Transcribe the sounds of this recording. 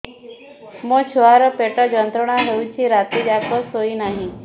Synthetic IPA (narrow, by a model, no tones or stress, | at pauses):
mət͡ɕʰuɦaɾəpeʈəd͡ʒənt̪ɾəɳ̃aɦeut͡ɕiːɾat̪id͡ʒakʰəsɦoinaɦĩ